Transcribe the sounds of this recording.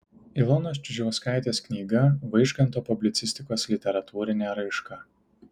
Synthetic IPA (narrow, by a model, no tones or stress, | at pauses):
ɪlˠɔnoːst͡ʃʲʊʒʲɛʋʊskɑˑɪt̪ʲeːsknʲiːɡɐʋɐɪʃkɐnt̪oːpʊbʲlʲɪt̪sʲɪsʲt̪ʲɪkoːslʲɪt̪ʲɛɾɐt̪uːɾʲɪnʲɛɾɐɪʃkɐ